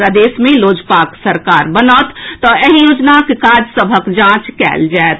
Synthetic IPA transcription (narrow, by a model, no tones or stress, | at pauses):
ɾad̪eːsmẽloːd͡ʒpaːksəɾkaːɾbənaːt̪t̪ːɔeɦijoːd͡ʒnakekaːd͡ʒsəbʱəkd͡ʒãːt͡ʃkɛ̰ːld͡ʒaet̪